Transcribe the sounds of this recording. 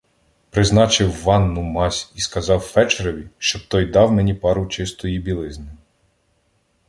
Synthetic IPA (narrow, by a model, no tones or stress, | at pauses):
pɾɪznɑt͡ʃɪwʋɑnːʊmɑsʲiskɐzɑwfɛt͡ʃeɾɔʋʲiʃt͡ʃɔb̚t̪ɔjd̪ɑwmenʲipɑɾʊt͡ʃɪst̪ɔjibʲilˠɪznɪ